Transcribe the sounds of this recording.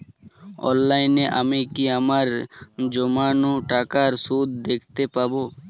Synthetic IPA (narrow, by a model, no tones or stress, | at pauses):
ɔ̰̃ːnlaːɪneʔamẽkiəmaɾd͡ʒomaːnũʈaːkaːɾsuːd̪d̪eːkʰt̪epaːboː